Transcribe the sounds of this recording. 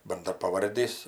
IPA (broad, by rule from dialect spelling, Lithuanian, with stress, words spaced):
bɐndrɐpɐˈʋɐrʲdʲiːs